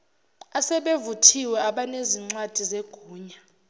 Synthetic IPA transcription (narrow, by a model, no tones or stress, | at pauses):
asɛɓevutʰiwɛaɓaneziŋ͡ǀwad̥ʱizeɡ̥ʱuːɲa